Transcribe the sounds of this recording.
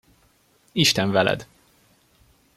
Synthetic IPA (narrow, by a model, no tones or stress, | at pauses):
iʃt̪ɛɱvɛlɛ̰d̪